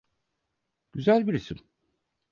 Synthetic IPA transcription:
ɟ̥yzælʲbiɾisim

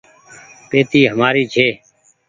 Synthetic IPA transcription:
peːt̪iːɦəmaːɾiːt͡ʃʰeː

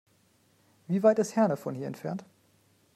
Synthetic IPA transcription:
viːvaɪtɪsthɛɐnəfɔnhiːɐɛ̰ntfɛɐnt

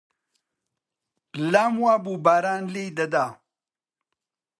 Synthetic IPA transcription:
laːmwaːbubaːɾaːnlijd̪ɐd̪a

